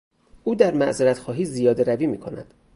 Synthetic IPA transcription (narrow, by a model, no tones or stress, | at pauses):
ʔuːd̪æɾmæʔzeɾæt̪xɒːɦiːzijɒːd̪eɾæviːmiːkʰo̞næ̰d̪̥